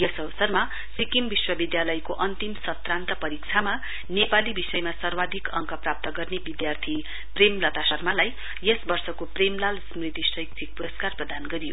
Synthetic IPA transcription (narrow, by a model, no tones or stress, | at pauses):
jʌsʌʋʌsʌrma | sikimbiswʌbid̪jalʌjkoʔʌnt̪imsʌt̪rant̪ʌpʌɾik̚t͡sʰama | nepalibisʌjmasʌrwad̪ʱikʌŋkʌprap̚t̪ʌɡʌrnebid̪jart̪ʰi | premlʌt̪asʌrmalaj | jʌsbʌrsʌkopremlalsmrit̪isrʌjk̚t̪ʰik̚puɾʌskarprʌd̪anɡʌɾijo